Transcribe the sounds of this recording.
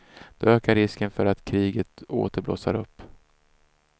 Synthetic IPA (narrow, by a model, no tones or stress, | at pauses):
d̪̥ɔøːkaɾɪskənfœɾat̪kʰɾiːɡət̪o̰ːt̪əblo̰ːsa̰ɾɵpː